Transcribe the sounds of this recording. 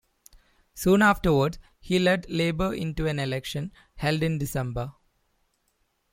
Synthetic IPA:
sũːnaːfʈəɾʋəɖs | hiːlɛɖleːbəɾɪ̰̃ɳʈuæ̃nelɛkʃə̃n | hɛlɖɪ̃nɖɪsɛ̃mbə

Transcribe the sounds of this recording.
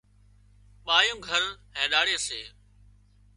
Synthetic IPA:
ɓaːjõːɡʱəɾɦẽːɗaːɽeːseː

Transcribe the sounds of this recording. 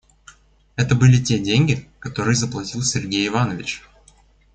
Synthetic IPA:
ɛt̪əbɨlʲɪtʲedʲenʲɡʲɪkɐt̪o̞ɾɨjəzəplˠɐtʲilˠsʲɪrɡʲejɪvanəvʲɪt͡ɕ

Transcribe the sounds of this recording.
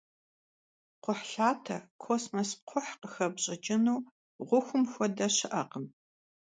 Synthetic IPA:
qʷʊħɬaːtʰɐkʰosmos̚qʷʰʊħqəxɐbɕʼɪt͡ʃʼɪnuː | ʁʷʊxʷʊmxʷɔdɐɕɪʔɐqəm

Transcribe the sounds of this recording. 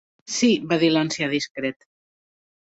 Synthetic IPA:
siβaðilansjaðiskɾet̪

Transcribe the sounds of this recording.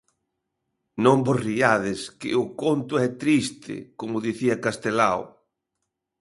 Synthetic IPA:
nõmboriaðɪskɪ̰ʊkont̪ʊɛt̪ɾist̪ʰɪ̰komʊðiθiɐkast̪elaw

